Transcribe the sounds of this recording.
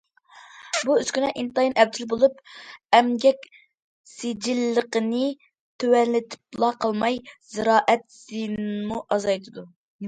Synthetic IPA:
buyz̥kʲynɛʔint̪ɑjinɛb̚d̪ɪlbolˠupɛmɡʲɛkʲ | sed͡ʒilːəqənɨ | t̪ʰøwɛnlɪt̪ʰɪ̥p̚lˠɑqʰəlˠmɑjz̥ɨɾɑːʔɛt̪sinnmuʔɑzɑjt̪ʰɨd̪u

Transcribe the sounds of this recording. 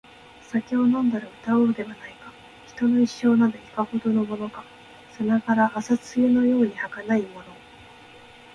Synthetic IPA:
sakʲionõ̞nd̪aɾɯ̟ɯ̟t̪aoɾo̟d̪e̞βanaikḁ | çi̥t̪o̞no̞iɕːo̞ːnad̪oi̥kaho̞d̪o̞no̞mo̞no̞ka | sonakaɾaʔːsat͡sɨjɯno̞jo̞ːɲ̟ihakanaimo̞no̞

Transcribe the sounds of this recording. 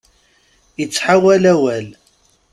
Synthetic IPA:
jət͡sːħawælæwæl

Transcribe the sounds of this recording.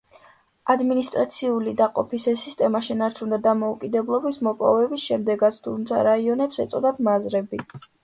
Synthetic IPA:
ad̪minist̪ʼɾat̪sʰiulid̪aqʼɔpʰisɛsist̪ʼɛmaʃɛnaɾt͡ʃʰund̪ad̪amɔukʼid̪ɛblˠɔbismɔpʼɔ̰vɛbisʃɛmd̪ɛɡat̪sʰt̪ʰumt̪sʰa̰ɾaiɔnɛpsɛt̪sʼɔd̪ad̪mazɾɛbi

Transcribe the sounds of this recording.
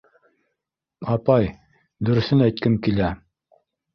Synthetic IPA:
ɑpɑj | d̪ɵ̆ɾɵ̆θɘnæjt̪̚kɘmkilæ

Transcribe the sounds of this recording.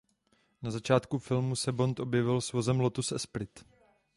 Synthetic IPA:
nazat͡ʃaːt̪kufɪlmusɛbo̞nt̪ʔo̞bjɛvɪlsvo̞zɛmlot̪usɛspɾɪt̪

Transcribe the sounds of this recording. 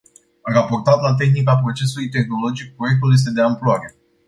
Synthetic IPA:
arapo̞rt̪at̪lat̪̬e̞xnikapɾo̞t͡ʃe̞sulujt̪e̞xno̞lo̞d͡ʒik̚pɾo̞je̞k̚t̪uljes̬t̪e̞d̪eamploaɾe̞

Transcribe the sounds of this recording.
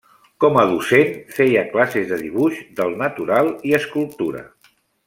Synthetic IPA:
kɔməðusenfejəklasezðəðiβ̞uʃd̪əlˠnət̪uɾalˠiəskul̚ˠt̪uɾə̰

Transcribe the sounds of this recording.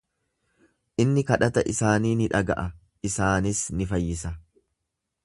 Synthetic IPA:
ʔɪnːɪkɐᶑɐt̪ɐʔɪsaːniːnɪᶑɐɡɐ̰ʔɐ | ɪsaːnɪsnɪfɐjːɪsɐ

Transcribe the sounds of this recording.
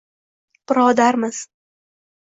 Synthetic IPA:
pɾɒːd̪aɾmɪz̥

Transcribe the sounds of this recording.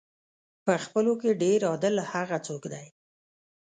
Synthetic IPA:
pəxpəlokeɖeɾɑd̪əlhaɣat͡sokd̪aj

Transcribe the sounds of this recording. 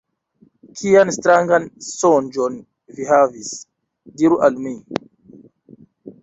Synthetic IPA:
kʰijanstɾaŋɡansond͡ʒon | viɦavis | diɾuʔalmi

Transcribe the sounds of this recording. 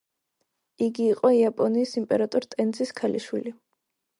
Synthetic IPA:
iɡiːqʼɔiapʼɔniːsimpʼɛɾat̪ʼɔɾt̪ʼɛnziskʰalḭʃwḭli

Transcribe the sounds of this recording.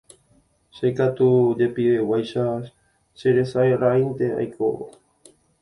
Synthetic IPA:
ʃekat̪ud͡ʒepiewajʃa | ʃeɾesaeɾaint̪ea̰jkʰo̰βo̰

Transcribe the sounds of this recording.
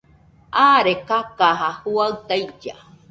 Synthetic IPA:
aːɾekakaɦahuaɯt̪ajd͡ʒa̰

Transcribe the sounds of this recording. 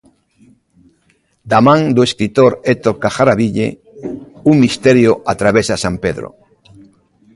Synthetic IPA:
d̪amãŋd̪ueskɾit̪oɾet̪okaxaɾaβiʎḛ | uŋmist̪eɾjoʔat̪ɾaβesasampeðɾo̰

